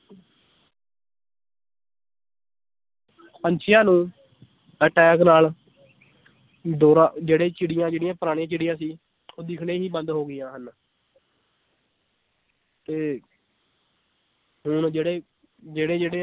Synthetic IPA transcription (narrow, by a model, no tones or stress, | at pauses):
pəɲt͡ʃʰɪjãːnũː | əːʈɛːknaːl | d̪oːɾãːd͡ʒeːɽeːt͡ʃɪɽɪjãːd͡ʒeːɽɪjãːpəɾaːɽ̃ĩãːt͡ʃɪɽɪjãːsiː | oːd̪ɪkʰɽeːɦiːbənd̪ɦoːɡɪjãːɦən | t̪eː | ɦʊɳd͡ʒeːɽeː | d͡ʒeːɽeːd͡ʒeːɽeː